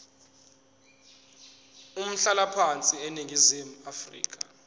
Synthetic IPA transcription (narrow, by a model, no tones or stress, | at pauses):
um̩ɬalapʰant͡sʼiɛneŋɡʱizem̩afrḭːk̬ʼa